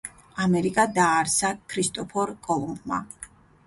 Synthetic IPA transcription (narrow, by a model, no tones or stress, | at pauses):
amɛɾikʼad̪aːɾsakʰɾist̪ʼɔpʰɔɾkʼɔlˠumbma̰